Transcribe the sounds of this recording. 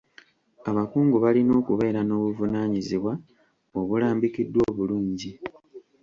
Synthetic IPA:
aβakuːŋɡuβalino̞ːkuβe̞ːɾano̞ːβuvunaːɲiziβwa | o̞βulaːmbikidːwo̞ːβuluːɲɟi

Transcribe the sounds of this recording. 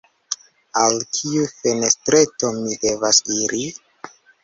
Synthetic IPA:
alkʰiufe̞nestɾe̞tomide̞vasiɾʔi

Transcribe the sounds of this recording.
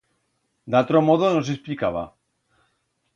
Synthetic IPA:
d̪at̪ɾomoðonos̬esplikaβa̰

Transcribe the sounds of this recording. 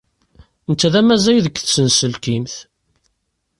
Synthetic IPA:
nt̪ːæðæmæzæjðəkːθsənsəlkimθ

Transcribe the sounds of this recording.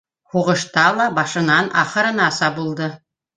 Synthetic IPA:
huʁɤ̆ʃt̪ɑlˠɑbɑʃɤ̆nɑnʔɑχɤ̆ɾɤ̆nɑsɑbulˠd̪ɤ

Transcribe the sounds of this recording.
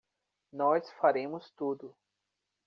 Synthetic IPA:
nɔsfaɾẽmʊst̪ud̪ʊ

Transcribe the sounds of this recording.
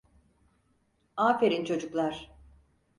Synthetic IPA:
aːfe̞ɾint͡ʃʰo̞d͡ʒuklˠaɾ̥

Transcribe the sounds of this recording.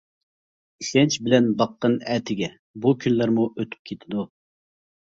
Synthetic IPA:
iʃʲɛnt͡ʃʰbɪlɛnbɑqːənɛːt̪ʰɪɡʲɛ | bukʲʰynlæɾmuʔøt̪ʰy̥p̚kʲʰet̪ʰɪd̪u

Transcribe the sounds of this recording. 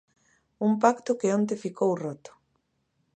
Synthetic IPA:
umpakt̪ʊkeõnt̪̬efikʰowrot̪ʊ̥

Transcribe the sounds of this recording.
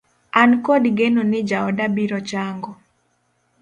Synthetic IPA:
ankodɡenonɪd͡ʒaɔdabiɾɔt͡ʃaŋɡɔ

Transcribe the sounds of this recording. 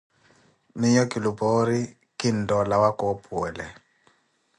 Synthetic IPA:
miɲɔkʼilubɔɾi | kin̩dɔlawakɔpʰʼuɛlɛ

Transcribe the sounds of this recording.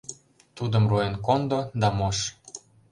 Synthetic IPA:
t̪ud̪ə̆mroenkond̪od̪ɑmoʃ

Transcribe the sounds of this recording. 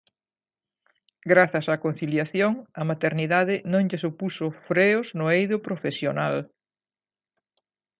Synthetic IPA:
ɡɾaθɐsakon̟θiljaθjoŋɐmat̪eɾniðaðɪnõŋʎɪsupusʊfɾeʊznʊejðʊpɾofesjonal

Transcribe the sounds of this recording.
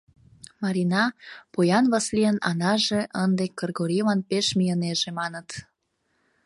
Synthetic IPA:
mɑɾinɑpojɑnβɑsliənɑ̰nɑʒeʔənd̪ekːərɡoɾiβɑnpeʃmijəneʒemɑnət̪

